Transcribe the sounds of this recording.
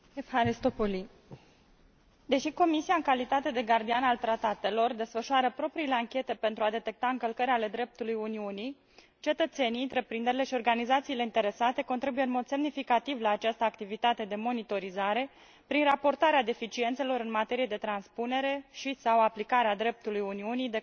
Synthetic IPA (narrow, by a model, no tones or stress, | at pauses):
efhaɾist̪o̞poli | d̪e̞ʃiko̞misiaɨŋkalit̪at̪e̞d̪e̞ɡard̪ianalt̪ɾat̪at̪e̞lo̞rd̪e̞sfəʃuaɾəpɾo̞pɾiːle̞aŋkʲe̞t̪e̞pe̞nt̪ɾuad̪e̞t̪e̞k̚t̪aɨŋkəlkəɾʲale̞d̪ɾe̞p̚t̪ulujuniunij | t͡ʃe̞t̪ət̪se̞niɨnt̪ɾe̞pɾind̪e̞ɾile̞ʃio̞rɡanizat̪siːle̞int̪e̞ɾe̞sat̪e̞ko̞nt̪ɾibujeɨnmo̞d̪se̞mnifikat̪ivlaːt͡ʃast̪əakt̪ivit̪at̪e̞d̪e̞mo̞nit̪o̞ɾizaɾe̞ | pɾinrapo̞rt̪aɾead̪e̞fit͡ʃie̞nt̪se̞lo̞ɾɨnmat̪e̞ɾije̞d̪e̞t̪ɾanspune̞ɾe̞ʃisawaplikaɾead̪ɾe̞p̚t̪ulujuniunid̪e